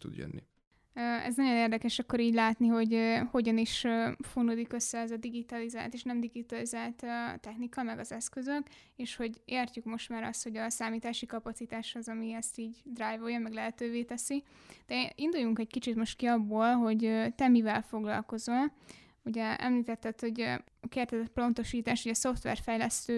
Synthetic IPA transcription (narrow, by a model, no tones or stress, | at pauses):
t̪ṵd̪jø̰nːḭ | øɛ̰znɒɟo̞neːrd̪ɛkɛʃɒkːo̞ɾiːɟlaːt̪niɦo̞ɟøho̞ɟɒniʃøfonud̪ikø̞sːɛɛzɒd̪iɡit̪ɒliza̰ːlt̪eːʃnɛmd̪iɡit̪ɒlizaːlt̪t̪ɛxnikɒmɛɡɒzɛskø̞zøk | eːʃho̞ɟeːrcukmo̞ʃt̪maːɾɒ̰st̪ho̞ɟɒsaːmiːt̪aːʃikɒpɒt̪sit̪aːʃhozɒmiɛst̪iːɟd̪raːjvojɒmmɛɡlɛɦɛt̪øːveːt̪ɛsi | d̪̥ɛind̪ujuŋkɛɟ̚kit͡ʃit̪mo̞ʃt̪kiɒbːoːlɦo̞ɟøt̪ɛmivɛlfo̞ɡlɒ̰lko̞zon | uɟɛɛ̰mliːt̪ɛt̪ːɛt̪ho̞ɟ | ɒkeːrt̪ɛzɛt̪̚plo̞nt̪o̞ʃiːt̪aːʃhoɟɒsoft̪ʋɛ̰rfɛjlɛst̪øː